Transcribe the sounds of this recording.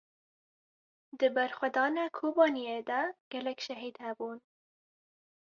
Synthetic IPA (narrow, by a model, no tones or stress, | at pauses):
d̪ɨbæɾxʷɛd̪ɑːnɑːkʰoːbɑːnijeːd̪ɛɡ̥ɛlɛkʃɛɦiːd̪hɛbuːn